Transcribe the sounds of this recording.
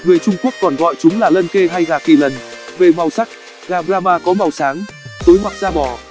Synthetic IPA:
ŋɨ˨˩əjt͡ɕʊ˧ŋ͡mku˦˥ək̚ːɔ˨˩nɣɔ̰˧˨jt͡ɕʊ˨˦ŋ͡mlaː˨˩lə˧nke˧ɦa˧jɣaː˨˩ki˧˩lə˨˩nve˨˩ma˨˩wsa˦˥k̚ | ɣaː˧˩ɓɾaː˧maː˧kɔ˨˦ma˨˩wsaː˨˦ŋ | zo˨˦jma˨˩k̚zaː˧ɓɔ˧˩

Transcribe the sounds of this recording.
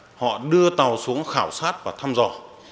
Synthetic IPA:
hɔ̰˧˨ɗɨ˧ət̪a˨˩wsu˨˦əŋxaː˧˩wsaː˦˥t̚vaː˨˩t̪ʰaː˧mzɔ˨˧˩

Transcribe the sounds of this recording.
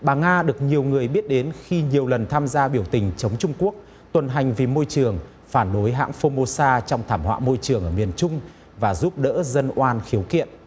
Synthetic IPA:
ɓaː˨˩ŋaː˧ɗɨ˨˩ək̚ɲi˨˩əwŋɨ˨˩əjɓi˦˥ət̚ɗe˨˦nxi˧ɲi˨˩əwlə˨˩nt̪ʰaː˧mzaː˧ɓi˧˩əwt̪ï˨˩ŋ̟t͡ɕə˨˦wŋ͡mt͡ɕʊ˧ŋ͡mku˦˥ək̚ | t̪wə˨˩nɦa˨˩jŋ̟vi˨˩mo˧jt͡ɕɨ˨˩əŋ | faː˧˩nɗo˨˦jɦa̰ː˧˥ŋfo˧mo˧saː˧t͡ɕɔ˧wŋ͡mt̪ʰaː˧˩mhwa̰ː˧˨mo˧jt͡ɕɨ˨˩əŋʔəː˧˩mi˨˩ənt͡ɕʊ˧ŋ͡m | vaː˨˩zu˦˥p̚ɗə̰ː˧˥zə˧nʔwaː˧nxi˨˦əwkḭ˧˨ənʔ

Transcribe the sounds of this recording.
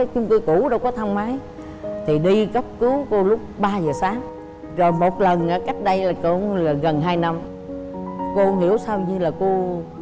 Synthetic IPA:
t͡ɕʊ˨˦ŋ͡mki˧ku˧˩ɗə˧wkɔ˨˦t̪ʰa˧ŋ͡mmaː˨˦j | t̪ʰi˨˩ɗi˧kə˦˥p̚kɨ˨˦wko˧lʊ˦˥k͡p̚ɓaː˧zəː˨˩saː˨˦ŋ | zo˨˩jmo˨˩t̚lə˨˩nʔaː˨˦ka˦˥jk̟̚ɗə˧jlaː˨˩ko˧˩laː˨˩ɣə˨˩nɦaː˧jna˧m | ko˧ɦḭ˧˩˥əwsaː˧wɲɨ˧laː˨˩ko˧

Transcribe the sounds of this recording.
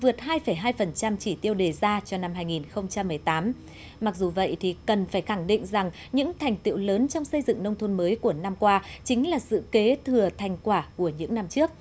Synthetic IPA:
vɨ˨˩ət̚haː˧jfə˧˩jɦaː˧jfə˨˩nt͡ɕa˧mt͡ɕi˧˩t̪i˧əwɗe˨˩zaː˧t͡ɕɔ˧na˧mɦaː˧jŋi˨˩nxə˧wŋ͡mt͡ɕa˧mːɨ˨˩əjt̪aː˨˦m | ma˨˩k̚zu˨˩və̰˧˨jt̪ʰi˨˩kə˨˩nfaː˧˩jxa˧˩ŋɗḭ˧˨ŋ̟za˨˩ŋ | ɲɨ̰˧˥ŋt̪ʰa˨˩jŋ̟t̪ḭ˧˨wləː˨˦nt͡ɕɔ˧wŋ͡msə˧jzɨ̰˧˨ŋnə˧wŋ͡mt̪ʰo˧nməː˨˦jku˧˩əna˧mkwaː˧t͡ɕï˨˦ŋ̟laː˨˩sɨ̰˧˨ke˨˦t̪ʰɨ˨˩ət̪ʰa˨˧˩jŋ̟kwaː˧˩ku˧˩əɲɨ̰˧˥ŋna˧mt͡ɕɨ˦˥ək̚

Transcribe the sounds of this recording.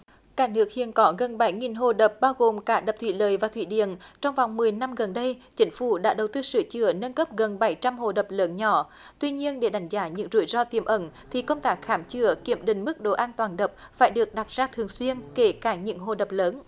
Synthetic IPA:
kaː˧˩nɨ˦˥ək̚hḭ˧˨ənkɔ˨˦ɣə˨˩nɓa˨˧˦jŋi˨˩nɦo˨˩ɗə˨˩p̚ɓaː˧wɣo˨˩mkaː˧˥ɗə˨˩p̚t̪ʰwḭ˧˨˩ləː˨˩jvaː˨˩t̪ʰwḭ˧˩ɗḭ˧˨ənt͡ɕɔ˧wŋ͡mva˨˩wŋ͡mmɨ˨˩əjna˧mɣə˨˩nɗə˧jt͡ɕï˨˦ŋ̟fu˧˩ɗa̰ː˧˥ɗə˨˩wt̪ɨ˧sɨ˧˩˦t͡ɕɨ˧˩ənə˧nkə˦˥p̚ɣə˨˩nɓa˧˩jt͡ɕa˧mɦo̰˨˩ɗə˨˩p̚ləː˨˦nɲɔ˧˦ | t̪wi˧ɲi˧ənɗe˧˩ɗa˨˦jŋ̟zaː˨˦ɲɨ̰˧˥ŋzu˧˩jzɔ˧t̪i˧˩əmʔə˧˦nt̪ʰi˨˩kə˧wŋ͡mt̪aː˦˥k̚xaː˧˩mt͡ɕɨ˧˩əki˧˩əmɗï˨˩ŋ̟mɨ˦˥k̚ɗo˧˨˦ʔaː˧nt̪waː˨˩nɗə˨˩p̚faː˧˩jɗɨ˨˩ək̚ɗa˨˩t̚z̥aː˧t̪ʰɨ˨˩əŋswi˧ənke˧˩kaː˧˩ɲɨ̰˧˥ŋɦo˧˨˩ɗə˨˩p̚ləː˨˦n

